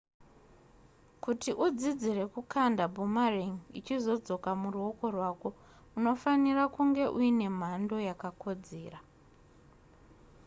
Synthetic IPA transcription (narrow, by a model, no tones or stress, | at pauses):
kutiʔud͡zid͡zire̞kukʰandabʱumariŋit͡ʃizo̞d͡zo̞kamuruo̞ko̞rwaːko̞ | uno̞fanirakuŋɡe̞ʔuine̞m̤ando̞jakako̞d͡ze̞ːra